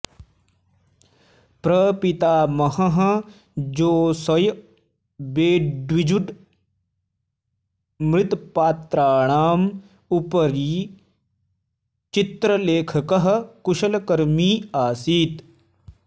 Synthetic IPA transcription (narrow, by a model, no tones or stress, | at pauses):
pɾɐpit̪aːmɐɦɐɦɐ | d͡ʒoːsɐj | beːɖʋid͡ʒuɖ | mɾɪt̪paːt̪ɾaːɳ̃aːm | upəɾiː | t͡ʃɪt̪ɾəleːkʰɐkɐɦɐ̆kuʃɐlkɐɾmiːaːsiːt̪